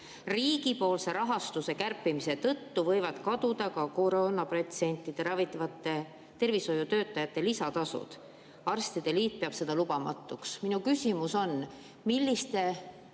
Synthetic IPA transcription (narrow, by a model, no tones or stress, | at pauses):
riːɡ̥ipo̞ːlse̞ɾʔɑɦɑst̪use̞kærpːimise̞t̪ɤ̞t̪ːuvɤ̞jvɑd̪̥kɑd̪ud̪̥ɑkɑko̞ɾonɑpret̪se̞nʲt̪ˑːid̪̥e̞ɾɑvit̪ːˑɑvɑt̪ːˑe̞ | t̪e̞rviso̞jut̪ø̞ːt̪ːˑɑjɑt̪ːˑe̞lisɑt̪ɑsṵd̪̥ | ɑrst̪id̪̥e̞liːt̪̚pe̞ɑb̥se̞d̪̥ɑlub̥ɑmɑ̰t̪ːˑuksminukysʲimuso̞n | milːist̪e̞